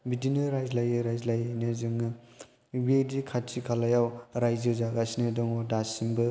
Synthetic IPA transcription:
bitinɯɾajzlajɯɾajzlajnɯzɯŋɯ | bedikʰatʰikʰalajawɾajzɯzaɡasinɯdɔŋɔdasimbɯ

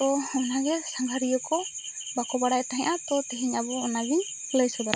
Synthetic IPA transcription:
t̪ɔɔnaɡɛsaŋɡʱaɾijɔkɔ | bakɔbaɽajt̪aɦɛ̃ʔat̪ɔt̪ɛɦiɲabɔɔnaɡiɲ | ləjsɔbaɾa

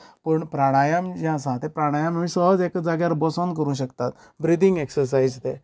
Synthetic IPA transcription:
pəɳpɾaɽ̃ajamd͡ʑãs̬ãt̪ẽpɾaɽ̃ajãmmĩsəɦəd͡zekd͡zaɡjaɾbɔsənk̬əɾũːɕ̬əkt̪at̪ | bɾid̪iŋɡeksəɾs̬aid͡zt̪e

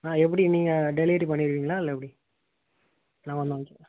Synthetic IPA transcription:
ãːɛp̬ːɐɽiniːŋɡɐɖɛleːʈipɐɳːɪɾɯʋiːŋɡɐlaːɪlːɐɛpːɐɽi | nãːʋɐnd̪at͡ʃːɛ

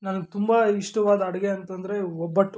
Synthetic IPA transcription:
nɐnɐt̪umbaiʂʈɐʋaːd̪ɐɐɽɐɡeɐnt̪ɐnd̪ɐɾe̞ɔbːɐʈː

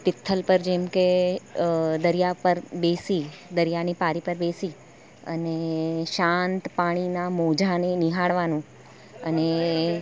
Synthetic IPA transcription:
pɪt̪ʰːəlpəɾd͡ʒemke | d̪əɾijapəɾbesid̪əɾijanipaɾipəɾbesi | ə̰neʃãnt̪paɽ̃inamod͡ʒʱanenɪɦaɽʋanũ | əne

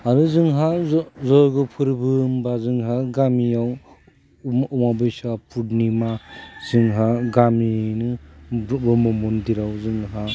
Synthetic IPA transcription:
aɾuzɯŋɦazɔɾɡɯpʰɯɾbɯmbazɯŋɦaɡamiaw | ɔmabɯjsapʰudnimaz̥ɯŋɦaɡaminɯ | bɔmɯmundiɾawzɯŋɦa

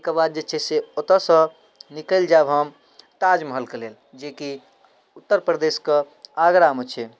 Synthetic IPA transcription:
kəbad̪̚d͡ʒet͡ʃʰɛseot̪əsə̃ | nikəld͡ʒabɦəm | t̪ad͡ʒməɦəlkelel | d͡ʒeki | ut̪ːəɾpɾəd̪eske | aɡɾamot͡ʃʰɛ

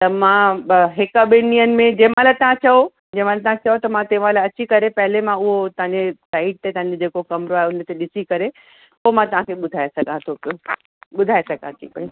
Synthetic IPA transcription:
t̪ɐmãɦɪkɐɓɪiənɪ̆mẽd͡ʑẽːmãlat̪ɐãt͡ɕɐo | d͡ʑẽːmãlat̪ɐãt͡ɕɐot̪ɐmãt̪ẽːʋãlaɐt͡ɕikɐɾepɐɦɪlemãʊɦot̪ɐɦãɲd͡ʑesaːɪʈ̚t̪et̪ɐ̃ɦãɲd͡ʑod͡ʑeːkokɐmɾoaːɦeʊnt̪eɗɪsikɐɾe | pomãt̪ɐʋ̤ãkʰeɓʊd̪ʱaːesɐɡʱãt̪ʰopjo | ɓʊd̪ʱaːesɐɡʱãt̪ʰḭːpi

